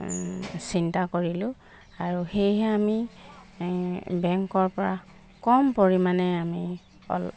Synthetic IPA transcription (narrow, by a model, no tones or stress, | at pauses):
sintakoɹilʊ̃ | aɹuxejɦɛami | bɛŋkɔɹpɔɹa | kɔmpoɹimanɛami | ɔ̰